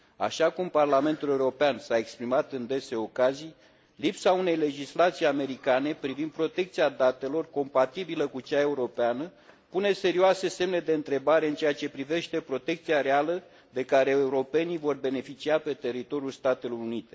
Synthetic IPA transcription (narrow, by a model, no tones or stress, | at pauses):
a̰ʃakumparlame̞nt̪ule̞uɾo̞peansae̞kspɾimat̪ɨnd̪e̞se̞o̞kazij | lipsaune̞jle̞d͡ʒislat̪sijame̞ɾikane̞pɾivind̪̚pɾo̞t̪e̞k̚t̪siad̪at̪e̞lo̞rko̞mpat̪ibiləkut͡ʃae̞uɾo̞peanəpune̞se̞ɾioase̞se̞mne̞d̪e̞ɨnt̪ɾe̞baɾe̞ɨnt͡ʃe̞jat͡ʃe̞pɾive̞ʃt̪e̞pɾo̞t̪e̞kt̪siaɾe̞alə | d̪e̞kaɾe̞euɾo̞pe̞nivo̞rbe̞ne̞fit͡ʃiape̞t̪e̞ɾit̪o̞ɾijulst̪at̪e̞lo̞runit̪e̞